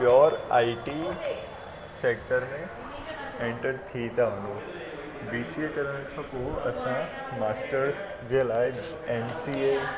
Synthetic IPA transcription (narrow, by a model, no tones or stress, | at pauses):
jɔːɾaːiʈi | seːk̚ʈəɾmẽ | ẽɳʈəɖt̪ʰit̪ʰaʋɐ̃nd̪o | biːsiekəɾəɽ̃əkʰãːpoɦuʔɐ̰sã | maːsʈəɾs | d͡ʑeːlaːɪ | ensie